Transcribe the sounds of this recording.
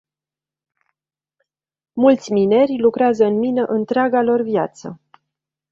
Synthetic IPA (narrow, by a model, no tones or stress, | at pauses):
mult̪sʲmine̞rʲlukɾeazəɨnminəʔɨnt̪ɾeaɡalo̞rvjat̪sə̰